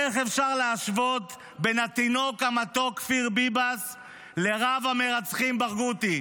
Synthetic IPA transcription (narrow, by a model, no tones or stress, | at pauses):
eχefʃaʁleaʃvo̞t̪ | benat̪ino̞kamat̪o̞kfiʁbibas | le̞ʁavameʁat͡sχimbaʁɡut̪i